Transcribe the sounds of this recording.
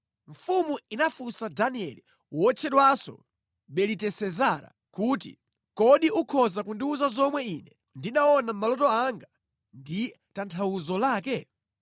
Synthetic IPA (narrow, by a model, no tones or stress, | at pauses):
ɱ̩fumuinafusadaniɛ̰li | wɔt͡ʃʰɛɗwasɔ̰ | ɓɛlitɛsɛzaɾa̰ | kuːtḭ | kɔɗiʔukʰɔzakundiuzazɔmwɛiːnɛ | ndinaɔnam̩malɔtɔaŋɡa | ndi | tantʰawuzɔlaːkɛ